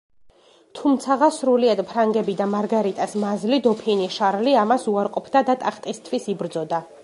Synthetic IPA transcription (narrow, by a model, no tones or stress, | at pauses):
t̪ʰumt̪sʰaʁasɾuliad̪pʰɾaŋɡɛbid̪amaɾɡaɾit̪ʼasmazlid̪ɔpʰiniʃaɾliamasuaɾqʼɔpʰd̪ad̪at̪ʼaχt̪ʼist̪ʰwisibɾd̪zɔd̪a